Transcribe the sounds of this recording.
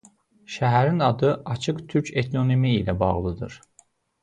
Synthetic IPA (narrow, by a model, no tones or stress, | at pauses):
ʃæɦæɾinɑd̪ɯʔɑt͡ʃʰɯqt̪ʰyɾcʰet̪ʰlʲonimiːlæbɑ̰ʁlˠɯd̪ɯ̰ɾ